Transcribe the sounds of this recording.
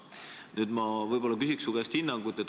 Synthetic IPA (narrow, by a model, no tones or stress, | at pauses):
nyːd̪̥mɑvɤjb̥o̞lːɑkysʲiksuɡ̥est̪hinːɑŋɡut̪ːˑet̪̚